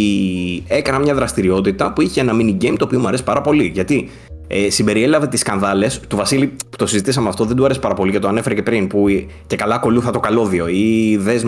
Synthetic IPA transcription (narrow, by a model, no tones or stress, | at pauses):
e̞kɐnɐmɲɐðɾɐst̪iɾio̞t̪it̪ɐpuiçenɐminiɟeimt̪opiomuɐɾe̞si̥pɐɾɐpo̞liʝɐt̪i | esimbe̞ɾielɐve̞t̪iskɐnðɐle̞st̪uvɐsilipu̥t̪o̞sizit̪isɐmeɐft̪o̞ðed̪uɐɾesi̥pɐɾɐpo̞licɐt̪oɐne̞feɾece̞pɾinpuce̞kɐlɐko̞luθɐt̪o̞kɐlo̞ðio̞iðez